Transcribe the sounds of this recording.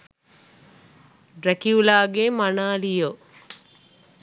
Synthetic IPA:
ɾækiulaːɡemanaːlijo

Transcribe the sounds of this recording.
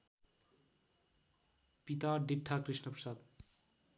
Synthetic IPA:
pit̪aɖiʈʰːakɾiʃnopɾ̥ʃad̪

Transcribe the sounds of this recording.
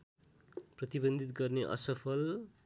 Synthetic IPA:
prʌt̪ibʌnd̪ʱit̪ɡʌrneʔʌ̰sʌpʰʌl

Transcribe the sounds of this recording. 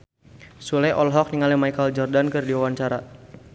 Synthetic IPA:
sulɛʔɔlɦɔk̚niŋalimajkəld͡ʒɔrdankɨrdiwawaɲt͡ʃaɾa

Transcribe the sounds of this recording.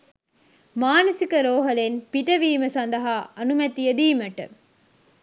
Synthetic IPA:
maːnɐsɪkːɐɾoːɦɐlenpɪʈːɐʋiːmɐsɐnd̪ɐɦaɐnumɐt̪ːijɐd̪iːmɐʈːɐ̰

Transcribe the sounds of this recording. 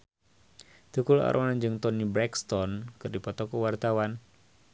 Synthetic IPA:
t̪ukula̰ɾʔɔnand͡ʒɨŋt̪ɔnibɾɛkst̪ɔnkɨrdipɔt̪ɔkuwart̪awan

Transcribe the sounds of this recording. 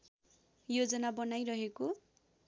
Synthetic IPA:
jod͡zʌnabʌnajrʌɦeko

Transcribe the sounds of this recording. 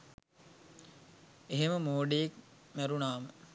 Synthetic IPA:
eɦeməmoːɖejekmæɾunaːmə

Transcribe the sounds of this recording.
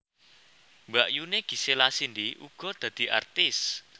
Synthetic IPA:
mbaʔjuneɡ̥i̤selasind̪iʔṵɡ̥ɔ̤d̪̥ä̤d̪̥i̤ʔa̰rt̪ɪs

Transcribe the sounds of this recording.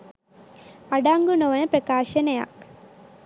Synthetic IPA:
ɐɽaːŋɡunoʋɐnɐprɐkaːɕɐnɐja̰ːk

